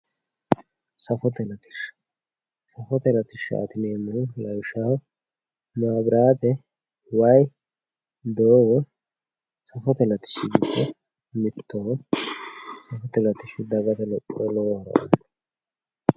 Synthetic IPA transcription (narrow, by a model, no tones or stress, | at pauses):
sɐfɔt̪ɛlɐt̪ɪ̥ʃ | sɐfɔt̪ɛlɐt̪ɪʃɐ̰t̪ɪneːmʊlɐwʃaː | maːbɾaːt̪ɛ | wɐj | d̪oːwɔ | sɐfɔt̪ɛlɐt̪ɪ̥ʃɪɡɪd̪ːɛ | mɪt̪ʰːɔwɔ | sɐfɔt̪ɛlɐt̪ɪʃɪd̪ɐɡɐt̪ɛlɔpʼːɔɔlɔwɐɾɐ̰ʔɔn